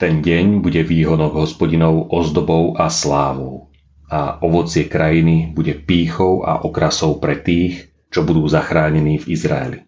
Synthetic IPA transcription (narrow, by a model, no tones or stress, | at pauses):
t̪ɛnɟɛɲbuɟɛʋiːɦɔnɔɡɦɔspɔɟinɔʊʔɔzd̪ɔbɔʊʔaslaːʋɔʊ | aʔɔʋɔt͡sɪɛkɾajinibuɟɛpiːxɔʊʔa̰ʔɔkɾasɔʊpɾɛt̪iːx | t͡ʃɔbud̪uːzaxɾaːɲɛniːvizɾa̰ɛ̰lḭ